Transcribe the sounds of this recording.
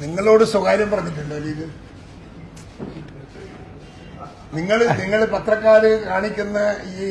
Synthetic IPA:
niŋːɐɭo̞ːɽɨswɐɣaːɾjɐmpɐrɐɲːiʈ̬ːuɳɖoːɾiːðɨ | niŋːɐɭniŋːɐɭpɐt̪rɐkːaːɾɨkaːɳikʲːunːɐiː

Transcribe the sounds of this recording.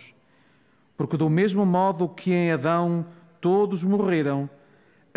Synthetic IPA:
ʃ | puɾkðumeʒmumɔðukʰɨẽj̃ɐðɐ̃w̃t̪oðuʒmuʁeɾɐ̃w̃

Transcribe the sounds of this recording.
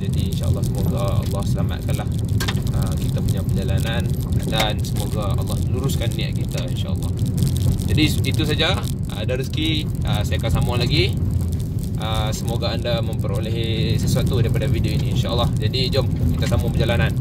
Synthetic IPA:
d͡ʒadiinʃa̰ʔə̰lːɑhsəmoɡaɑ̰lːɑhsəlama̰t̪̚kanlahəkit̪apuɲapərd͡ʒalananəa̰t̪ansəmoɡaa̰lːɑhəluɾuskanːia̰ʔkit̪ainʃa̰ʔə̰lːɑ̰hd͡ʒadiit̪us̬ad͡ʒa | daɾiski | ʔəsajakasamulaɡi | ʔəsəmoɡaandamə̃mpəɾoleɦisəsuat̪udaɾipadavidioiniːnʃaʔəlːɑhd͡ʒadid͡ʒɔmkit̪asamupəd͡ʒalanan

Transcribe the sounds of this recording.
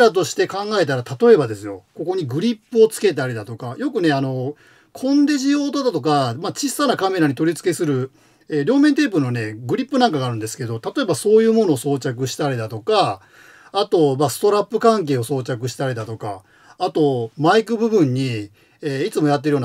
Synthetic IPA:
ɾat̪o̞ɕi̥t̪e̞kãŋɡae̞t̪̬aɾat̪at̪o̞e̞bad̪e̞sɨjo̞ko̞ko̞ɲ̟iɡɯ̟ɾʲipːɯo̞t͡sɨ̥ke̞t̪̬aɾid̪at̪o̞kajo̞kɯ̟ne̞ano̞ | kʰõ̞nd̪e̞ʑijo̞ːt̪od̪at̪o̞kamat͡ɕisanakame̞ɾaɲ̟it̪o̞ɾʲit͡sɨ̥ke̞sɨɾɯ̟ | eːɾʲjo̞ːme̞nt̪e̞ːp̬ɯɾɯno̞ne̞ɡɯ̟ɾʲipːɯ̟nãŋkaɡaːɾɯ̟nd̪e̞sɨ̥ke̞d̪o̞t̪at̪o̞e̞baso̞ːjɯ̟ːmo̞no̞ːso̞ːt͡ɕak̬ɯ̟ɕi̥t̪aɾʲid̪at̪o̞kaː | t̪o̞masɨ̥t̪o̞ɾapːɯ̟kãŋk̬e̞ːo̞so̞ːt͡ɕak̬ɯ̟ɕi̥t̪aɾʲid̪at̪o̞ka̰ː | t̪o̞maikɯ̟bɯ̟bɯ̟̃ɲ̟ːi | eːit͡sɨmo̞jat̪̬ːeɯjon

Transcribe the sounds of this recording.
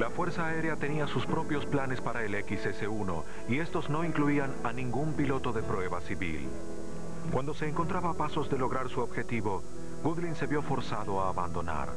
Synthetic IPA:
lafwe̞ɾsaːe̞ɾeat̪e̞niasuspɾo̞pjo̞splane̞spaɾaele̞kisese̞uno̞̰ | ie̞st̪o̞zno̞iŋkluiananĩŋɡumpilo̞t̪o̞ðe̞pɾwe̞βasiβḭl | kwand̪o̞se̞ːŋkont̪ɾaβapaso̞zðe̞lo̞ɣɾaɾsuobxe̞t̪iβo̞ | ɡuðlinse̞βjo̞fo̞ɾsaðo̞aːβa̰nd̪o̞na̰ɾ

